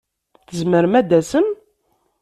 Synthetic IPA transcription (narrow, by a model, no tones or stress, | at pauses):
θəzməɾmæd̪æsəm